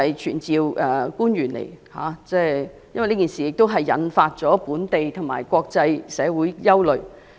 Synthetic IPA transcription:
ɐ˨jt͡ʃʰyː˨˩nt͡siː˨wʔɛː˨˩kuː˥njyː˨˩nlḛ˨˩jha̰ː˨˥˦t͡sɛː˥˩ | jɐ̰˥nwjnliː˥kiː˨˩nsiː˨jɪ˨k̚t̪o˥wɦɐ˨jːɐ̰˨˥nfaː˧t̚t͡sɔː˨˥puː˨˥nt̪e˨jt̪ʰʊ˨˩ŋma̰ː˨˩jkʷɔː˧k̚t͡sɐ˧jsɛː˨˧wuː˨˥jjɐ˥wlɵ˨ɥ

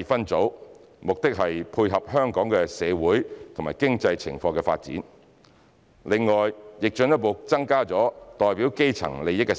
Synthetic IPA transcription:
fɐ˥nt͡so˨˥w | mʊ˨k̚t̪ɪ˥k̚ɦɐ˨jpʰuː˧jɦɐ˨p̚hœː˥ŋkɔː˨˥ŋkɛ˧sɛː˨˧wuː˨˥jt̪ʰo˨ŋmaː˨jkɪ˥ŋt͡sɐ˧jt͡sʰɪ̰˨˩ŋfɔː˧ŋkɛ˧fa̰ː˧t̚t͡sḭː˨˥n | lɪ˨ŋːɔː˨jjɪ˨k̚t͡ʃœ˧njɐ˥t̚po˨wt͡sɐ˥ŋkaː˥t͡sɔː˨˥t̪ɔː˨jpiː˨˥wke˥jt͡sʰɐ̰˨˩ŋle˨jɪ˥kːɛ˧

